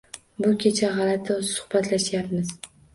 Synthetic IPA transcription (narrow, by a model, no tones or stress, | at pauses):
bʊkʲʰet͡ʃʰaʁɑlat̪ʰɪsʊ̥hbat̪laʃjapmɪz